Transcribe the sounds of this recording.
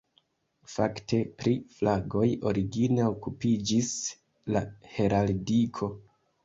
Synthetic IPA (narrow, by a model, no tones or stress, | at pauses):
fa̰kte̞pɾiflaɡo̞jo̞ɾiɡine̞okupid͡ʒis | lahe̞ɾaldikʰo̞